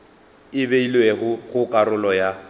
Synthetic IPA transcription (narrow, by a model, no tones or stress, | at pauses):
ɪbeilweɣʊɣʊkʼaɾʊlɔja